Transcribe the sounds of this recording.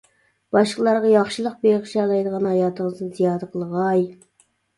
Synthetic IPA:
b̥ɑʃqəlˠɑɾʁɑjɑχʃɨlˠəq̚bejʁɨʃɑlˠɑjd̪əʁɑnhɑjɑːt̪ʰəŋəznɨnzijɑːd̪əqʰəlˠəʁɑj

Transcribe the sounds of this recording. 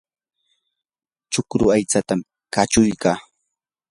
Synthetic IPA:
t͡ʃʊkɾʊajt͡sat̪am | kat͡ʃʊjkaː

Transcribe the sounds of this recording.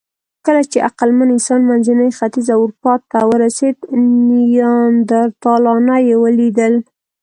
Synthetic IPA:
kəlat͡ʃeʔaqalmanɪnsɑnmanzinəjxat̪izawʊɾpɑt̪ːawəɾased̪nijɑnd̪aɾt̪ɑlɑnajewəlid̪əl

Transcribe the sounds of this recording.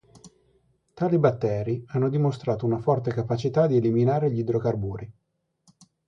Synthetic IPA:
t̪aːlibat̪ːɛːɾianːod̪imost̪ɾaːt̪ounafɔrt̪ekapat͡ʃit̪ad̪ieliminaːɾeʎid̪ɾokarbuːɾʔi

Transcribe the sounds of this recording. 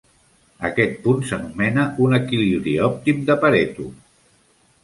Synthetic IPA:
əkɛt̪̚punsənumɛnəunəkiliβɾiɔp̚t̪imd̪əpəɾɛt̪u

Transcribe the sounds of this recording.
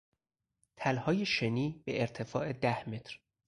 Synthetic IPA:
t̪ʰælhɒːje̞ʃeniːbeʔːɾt̪ʰe̞fɒːʔe̞d̪æhme̞t̪ʰɾ

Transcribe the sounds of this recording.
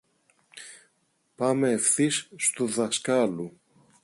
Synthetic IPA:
pɐme̞ːfθisːt̪uðɐskɐlu

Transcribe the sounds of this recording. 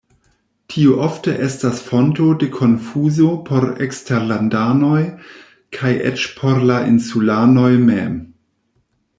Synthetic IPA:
tʰioʔofteʔestasfo̞ntode̞kʰo̞nfuzopʰo̞ɾeksteɾlandano̞j | kʰajʔḛt͡ʃpʰo̞ɾlaʔinsulano̞jmem

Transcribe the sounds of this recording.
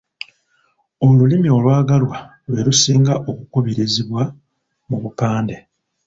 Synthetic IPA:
o̞lulimio̞lwaːɡalwa | lwe̞ɾusiːŋɡaʔo̞kukuβiɾiziβwa | muβupaːnde̞

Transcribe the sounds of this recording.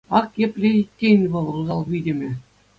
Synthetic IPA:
ɑkjĕpʲlʲeit̚ʲːenʲʋɤ̆lˠruzɑlˠʋʲidʲĕmʲɘ̆

